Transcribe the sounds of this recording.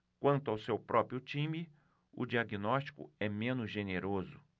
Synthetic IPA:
kwɐ̃nt̪ʊawsewpɾɔpɾiʊt͡ʃĩmɪ | ʊ̰d͡ʒiaɡinɔst͡ʃi̥kʊ̰ɛmẽnʊzʒeneɾozʊ

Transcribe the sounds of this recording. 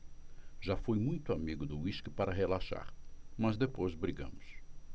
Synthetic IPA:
ʒafojmũj̃t̪ʊamiɡʊd̪ʊiʃkɪpaɾɐɦelaʃa̰ɾmɐzd̪epojzbɾiɡɐ̰̃mʊs

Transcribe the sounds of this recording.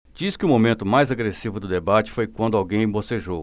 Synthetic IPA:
d͡ʒiskɪʊmomẽnt̪ʊmajzaɡɾesivʊd̪ʊd̪ebat͡ʃɪ̥fojkwɐ̃nd̪ʊawɡẽj̃ẽboseʒow

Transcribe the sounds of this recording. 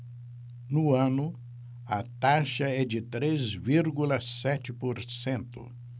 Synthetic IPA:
nʊɐ̃nʊ | ɐt̪aʃɐɛd͡ʒɪt̪ɾezviɾɡulɐsɛt͡ʃɪpoɾsẽnt̪ʊ̰

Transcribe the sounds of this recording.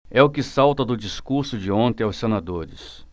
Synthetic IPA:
ɛʊkɪsawt̪ɐd̪ʊd͡ʒiskuɾsʊd͡ʒɪõnt̪ẽaʊwsːenad̪oɾɪs

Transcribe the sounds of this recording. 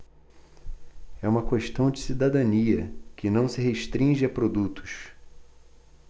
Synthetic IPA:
ɛũmɐkeʃt̪ɐ̃w̃d͡ʒɪsid̪ad̪ɐ̃niɐkɪnɐ̃w̃sɪɦeʃt̪ɾĩʒɪɐpɾod̪ut̪ʊ̥ʃ

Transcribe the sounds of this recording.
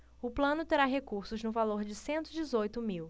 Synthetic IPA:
ʊplɐ̃nʊt̪eɾaɦekuɾsʊznʊvaloɾd͡ʒɪsẽnt̪ʊid͡ʒɪzojt̪ʊmiw

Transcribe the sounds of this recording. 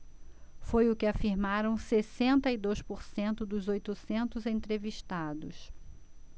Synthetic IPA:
fojʊkɪafiɾmaɾɐ̃w̃sesẽnt̪ɐid̪ojspoɾsẽnt̪ʊd̪ʊzojt̪ʊsẽnt̪ʊzẽt̪ɾeviʃt̪ad̪ʊs

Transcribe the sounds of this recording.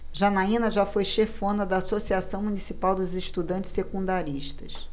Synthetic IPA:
ʒɐnaĩnɐʒafojʃefõnɐd̪ɐːsosiasɐ̃w̃munisipawd̪ʊzeʃt̪ud̪ɐ̃nt͡ʃɪ̥ssekũnd̪aɾiʃt̪ɐʃ

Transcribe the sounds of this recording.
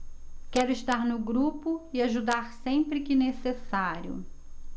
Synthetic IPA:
kɛɾʊɪʃt̪aɾnʊɡɾupʊɪaʒud̪aɾsẽpɾɪkɪnesesaɾjʊ̰

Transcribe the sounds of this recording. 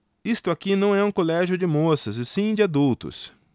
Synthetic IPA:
ist̪ʊakinɐ̃w̃ɛũkolɛʒjʊd͡ʒɪmosɐzɪsĩd͡ʒɪad̪uwt̪ʊ̰s

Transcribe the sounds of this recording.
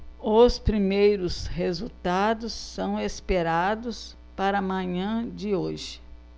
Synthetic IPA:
ospɾimejɾʊshezut̪ad̪ʊsːɐ̃w̃espeɾad̪ʊs | paɾɐmɐ̃ɲɐ̃d͡ʒɪoʒɪ̥

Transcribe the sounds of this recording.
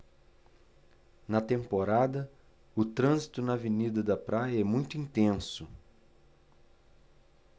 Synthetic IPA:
nɐt̪ẽmpoɾad̪ɐ | ʊt̪ɾɐ̃zit̪ʊnɐvenid̪ɐd̪ɐpɾajɐɛmũj̃t̪ʊĩnt̪ẽsʊ

